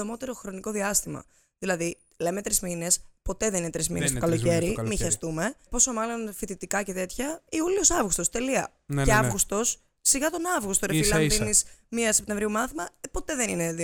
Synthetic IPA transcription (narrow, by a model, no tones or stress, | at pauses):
omo̞t̪eɾo̞xɾo̞niko̞ðiɐst̪imɐ̰ | ðilɐði | le̞met̪ɾizmine̞spo̞t̪e̞ðeninet̪ɾizmḭnest̪okɐloce̞ɾimiçɐst̪ume̞po̞so̞mɐlo̞nfit̪it̪ikɐce̞t̪e̞t̪çɐiuliosɐvɣust̪ost̪e̞liɐ | ceɐvɣust̪o̞sː | iɣɐt̪o̞nɐvɣust̪oɾefilɐðinismiɐse̞p̚t̪e̞ɱvɾiumɐθimɐpo̞t̪e̞ðe̞nine